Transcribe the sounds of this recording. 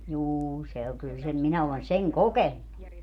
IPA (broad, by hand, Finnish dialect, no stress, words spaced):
juː se oŋ kyl sem minæ olen seŋ kokenːu